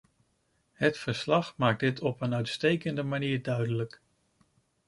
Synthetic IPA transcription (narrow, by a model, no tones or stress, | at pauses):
hətfəɹslɑχmaːk̚dɪtʰɔpənœɥtstejkəndəmaniːɹdœɥdələk